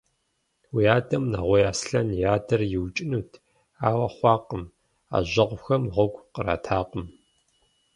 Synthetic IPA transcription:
wijaːdɐmna̰ʁʷɔjaːsɬɐnjaːdɐrjɪwt͡ʃʼɪnuːtʰ | aːwɐχʷɑːqəm | a̰ːʑɐʁʷʊxɐmʁʷɔɡʷqəɾa̰ːtʰaːqəm

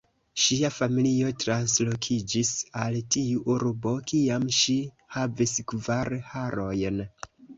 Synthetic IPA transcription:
ʃiafamilio̞tɾanslo̞kʰid͡ʒisaltiuʔuɾbo̞kiamʃi | haviskvaɾhaɾo̞jn

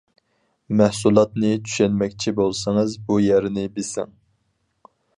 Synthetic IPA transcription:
mæhsulˠɑt̪̚nɨt͡ʃʰy̥ʃɛnmɛkʲt͡ʃʰibolˠsɨŋɨzbujɛɾnɪbɪsɪ̰ŋ

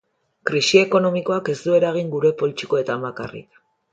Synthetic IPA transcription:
kɾisie̞ko̞no̞miko̞ake̞zd̪ue̞ɾaɣ̞iŋɡuɾe̞po̞lt͡ʃi̥ko̞e̞t̪amakarḭk

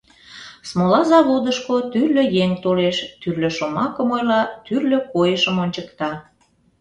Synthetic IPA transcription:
smolɑzɑβod̪əʃkot̪yrløjeŋt̪oleʃt̪yrløʃomɑkəmojlɑt̪yrløkojəʃəmonʲt͡ɕəkt̪ɑ

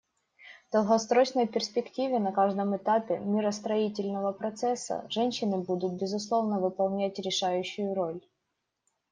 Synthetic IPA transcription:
vd̪̥əlˠɦɐst̪ɾot͡ɕnəjpʲɪrsʲpʲɪktʲivʲɪnɐkaʐd̪əmɨt̪apʲɪmʲɪɾəst̪ɾɐitʲɪlʲnəvəpɾɐt̪sɛsːə̰ʐɛnʲɕːɪnɨbud̪ʊt̪̚bʲɪzʊslˠo̞vnəvɨpɐlˠnʲætʲɾʲɪʂajʉɕːʊjʊɾo̞lʲ

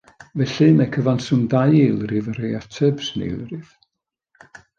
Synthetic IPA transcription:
vɛɬɨmɛkʰəvansʊmdajelˠrɪvəɾeatʰəbsnḛlˠrɪv̥

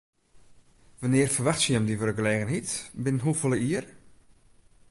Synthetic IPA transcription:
ʋanɪərfərʋaxtsiəmdivərəɡəleːɣənitbɪnɦufoləiər

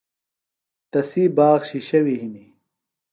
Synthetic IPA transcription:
t̪ɐsiːbaːɣɕiɕɐwiɦini

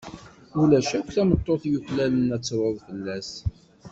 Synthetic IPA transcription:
ulæʃækʷːθæmət̪ˤːoθjuçlælənæt͡sːɾʊðfəlːæs

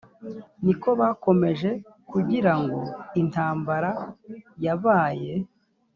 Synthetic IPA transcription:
niko̞βaːko̞me̞ʒe̞ | kuɟiɾaŋɡo̞in̥aːmbaɾajavaːje̞

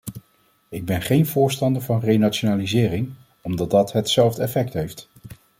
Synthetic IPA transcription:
ɪɡ̚bɛnχejnvʊːɹstɑndəɹvɑnrejnat͡ʃonaːlizɪːrɪŋ | ɔmdɑd̚dɑtɦətsɛlˠvdɛfɛktɦejft

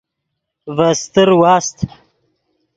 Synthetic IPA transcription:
vast̪əɾwɑːst̪

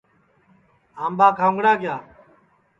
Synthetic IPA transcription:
aːmbaːkʰaːʊ̃ŋɡɽaːɡɪjaː

